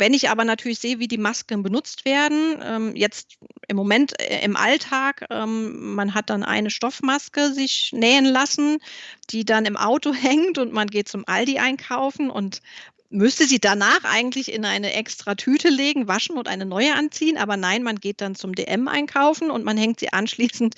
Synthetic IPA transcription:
vɛnɪçʔaːbɐnatʰyːɐlɪçz̥eːəviːdiːmaskən̩bənʊt͡stv̥eːɐdn̩ʔɛ̰ːmjɛt͡stʔɪmːomɛntʔɪ̰mʔa̰ltʰaːkʔɛːmːanɦat̚d̥anʔa̰ɪnəʃtɔfmaskəzɪçnɛːənlasn̩d̥iːdanɪmʔa̰ʊtohɛŋtʊntmanɡeːt̚t͡sʊmʔaldiʔaɪnkʰaʊfn̩ʔʊ̰nt | mʏstəziːd̥anaːχʔa̰ɪɡŋ̩tlɪçɪ̰nʔaɪnəʔɛkstʁ̥atʰyːtʰəleːɡŋ̩vaʃn̩ʊntʔaɪnənɔʏəʔant͡siːənʔa̰ːbɐnaɪnmanɡeːt̚d̥ant͡sʊmdḛːʔɛmʔa̰ɪnkʰaʊfn̩ʊntmanhɛŋktz̥ḭːʔa̰nʃliːsn̩t

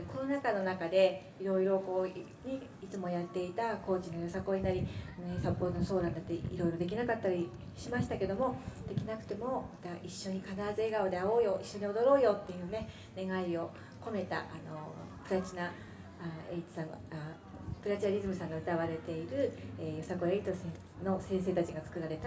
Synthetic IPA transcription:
ko̞no̞nakano̞nakad̪e̞ | iɾo̞iɾo̞ko̞ː | ɲ̟i | it͡sɨmo̞jat̪ːe̞it̪ako̞ːt͡ɕinojjosako̞ːɲ̟inaɾʲianoesapːo̞ːt̪onoso̞ːd̪ãnd̪at̪ːeiɾo̞iɾo̞d̪e̞k̬ʲinakat̪ːaɾʲi | ɕimaɕi̥t̪ake̞d̪o̞mo̞d̪̥e̞kʲinakɯ̟̥t̪e̞mo̞mat̪aʔiɕːo̞ɲ̟ikad̪aːzɨeɡaod̪e̞ao̞ːjo̞ʔiɕːo̞ɲ̟io̞d̪o̞ɾo̞ːjo̞t̪ːe̞jɯ̟ːne̞ | ne̞ɡaio̞ | ko̞me̞t̪a̰ʔano̞pɯ̟ɾat͡ɕina | eit̪i̥sãŋɡ | pɯ̟ɾat͡ɕinaɾʲizɨmɯ̟sãŋɡaɯ̟t̪aβaɾe̞t̪e̞iɾɯ̟ejo̞sako̞eit̪ose | no̞sẽɰ̃s̬e̞ːt̪at͡ɕiɡat͡sɨ̥kɯ̟ɾaɾe̞t̪a

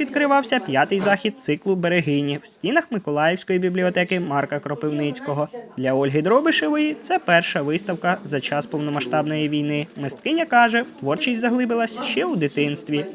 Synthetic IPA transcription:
id̪kɾɪʋɑwsʲɐpʲjat̪ɪjzɑxʲid̪̚t̪sɪklˠʊbeɾeɦɪnʲiw̥sʲtʲinɐxmɪkɔlˠɑjɛwsʲkɔjibʲiblʲiɔt̪ɛkɪmɑrkɐkɾɔpɪwnɪt͡sʲkɔɦɔd̪lʲɐɔlʲɦɪd̪ɾɔbɪʃeʋɔjit̪sɛpɛrʃɐʋɪst̪ɐwkɐzɐt͡ʃɑspɔwnɔmɐʃt̪ɑbnɔjiʋʲijnɪmɪst̪kɪnʲɐkɑʒɛwt̪ʋɔrt͡ʃisʲtʲzɐɦlˠɪbɪlˠɐsʲʃt͡ʃɛwd̪ɪt̪ɪnst̪ʋʲi

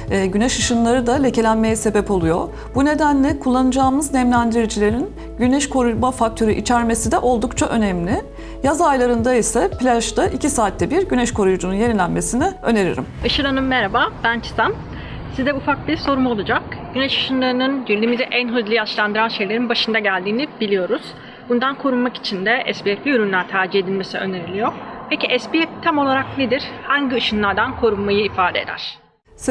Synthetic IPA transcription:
ɟynɛʃɯʃɯnlˠaɾɯd̪alʲece̞lʲænme̞jɛse̞bɛpo̞lˠujo̞̰ | b̥une̞d̪ænlʲɛkʰulˠːanɯd͡ʒaːɯmɯznɛmlʲænd̪iɾid͡ʒilʲe̞ɾin | ɟynɛʃkʰo̞ɾujmafak̚t̪ʰø̞ɾyʔit͡ʃʰæɾme̞sid̪ɛʔo̞lˠd̪ukt͡ʃʰaʔø̞nɛmlʲɪ | jazajlˠaɾɯnd̪aisaplʲaʒd̪aʔicʰisaːt̪ʰlːɛbiɾɟynɛʃkʰo̞ɾujud͡ʒununje̞nilʲænme̞sinɪø̞̰ne̞ɾḭɾḭmaʃɯɾanɯmːɛɾabaːbænt͡ʃʰɯ̥sam | sizd̪ɛufak̚biɾso̞ɾumo̞lˠad͡ʒakɟynɛʃɯ̥ʃɯnlˠaɾɯnɯnbiɾlʲimiziʔænɦɯzlˠɯjaʃlˠand̪ɯɾanʃe̞jlʲe̞ɾinbaʃɯnd̪aɟælʲd̪iːnibilʲijo̞ɾuz̥ | bund̪ankʰo̞ɾunmaki̥t͡ʃʰind̪ɛʔɛspiɛflʲiyɾynlʲæɾt̪ʰaːɾd͡ʒihe̞d̪ilʲme̞siø̞̰ne̞ɾilʲijoɾpʰe̞ciʔɛspiɛp̚t̪ʰamo̞lˠaɾak̚ned̪iɾ̥haɲɟiɯʃɯnlˠaɾd̪ankʰo̞ɾunmajɯifaːd̪ḛd̪æ̰ɾ̥

